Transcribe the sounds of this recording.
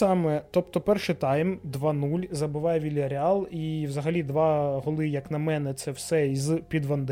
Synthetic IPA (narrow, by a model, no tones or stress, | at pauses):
ɑmɛt̪ɔpt̪ɔpɛrʃɪt̪ɑjmd̪ʋɑnulʲzɐbɪʋɑjɛʋʲilʲɐɾʲɪɑlˠiwzɐɦɐlʲid̪ʋɑɦɔlˠɪjɐknɐmɛnɛt̪sɛwsɛizpʲid̪ʋɐnd̪